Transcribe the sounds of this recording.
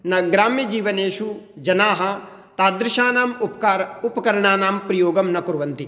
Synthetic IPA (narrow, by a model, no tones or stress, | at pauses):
nɐɡɾaːmjɐd͡ʒiːʋɐneːʃud͡ʒɐnaːɦɐ̆ | t̪aːd̪ɾɪʃaːnaːmupkaɾupɐkɐɾɐɳaːnaːmpɾɐjoːɡɐmnɐkuɾuʋɐnt̪i